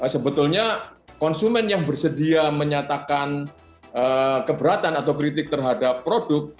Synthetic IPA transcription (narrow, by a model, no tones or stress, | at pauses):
asəbət̪ʊlɲakɔnsumɛnjaŋbərsədiaməɲat̪akan | əkəbəɾat̪anat̪awkɾit̪ɪk̚t̪ərɦadapːɾodʊk̚t̪̚